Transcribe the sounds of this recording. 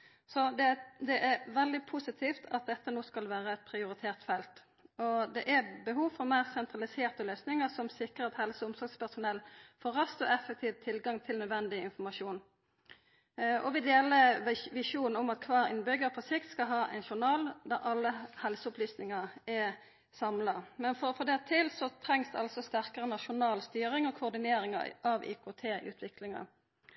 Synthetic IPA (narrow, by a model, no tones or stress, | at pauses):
sɔd̪ɛd̪ɛʔæɾʋɛld̪ɪpʰʊsɪt̪ʰiːft̪ʰɑt̪̚d̪ɛt̪ːənoːskɑlʋæːɾəɛt̪̚pʰɾɪʊɾɪt̪ʰeːʁt̪fɛlt̪ | ɔd̪ɛʔæbəɦuːʋfɔʁmæɪʁsɛnt̪ʁɑlɪseːʁt̪əløːsnɪŋəsɔmsɪkɾəɾɑt̪hɛlsəʊmsɔɾɡspʰæʁsʊnɛlːfoːɾɑst̪ɔɛfːɛk̚t̪ʰiːʋt̪ʰːɪlɡɑŋt̪ʰɪlnœd̪ʋɛnd̪ɪɪnfɔʁmɑʃuːn | ʔɔ̰ʋɪd̪eːləʋɪʃuːnn̩ʊmɑt̪̚kʰʋɑːɾɪ̰nbʏɡəpʰɔsɪkt̪skɑɦɑːʔæ̰ɪnʃʊʁnɑːld̪ɑɾʔɑlːəhɛlsəʊplyːsnɪŋəɛ | sɑmlɑmɛnfɔfɔd̪æt̪ʰɪlsɔt̪ʰɾɛŋsd̪ɑ̰lsɔst̪æʁkəʁənɑʃʊnɑːlst̪yːɾɪŋɔkʰʊʊʁd̪ɪneːɾɪŋɑ̰ʔɑʋḭːkʰʊt̪ʰeːʔʉ̰ːt̪ʰʋɪklɪŋɑ̰